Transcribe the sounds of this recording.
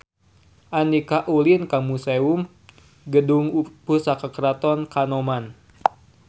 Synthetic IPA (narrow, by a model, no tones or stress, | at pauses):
ʔanikaʔulinkamusɛum | ɡəduŋupusakakəɾat̪ɔnkanɔman